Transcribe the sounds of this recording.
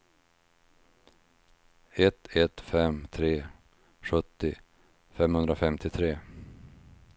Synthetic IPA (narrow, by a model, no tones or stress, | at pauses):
ɛt̪ʰɛt̪fɛmt̪ʰɾeː | ɧɵt̪ːɪ | fɛmhɵnd̪ɾafɛmt̪ʰɪt̪ʰɾeː